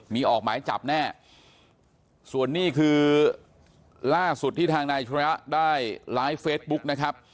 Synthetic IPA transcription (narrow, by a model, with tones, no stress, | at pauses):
miː˧ʔɔː˨˩k̚maː˩˦jt͡ɕa̰˨˩p̚nɛː˥˩ | su˨˩ənːiː˥˩kʰɯː˧ | laː˥˩su˨˩t̪ʰːiː˥˩t̪ʰaː˧ŋnaː˧jt͡ɕʰa˦˥daː˥˩jlaː˦˥jfeː˦˥t̪̚bu˦˥k̚na˦˥kʰɾa˦˥p̚